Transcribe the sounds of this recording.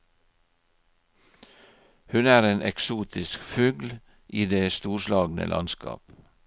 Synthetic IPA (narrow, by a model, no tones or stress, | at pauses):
hʉnæːɾeːnɛksuːt̪ʰɪskfʉːɡl | ʔiːd̪eːst̪uːʃlɑːɡn̩ə̰lʔɑ̰nskɑ̰ːp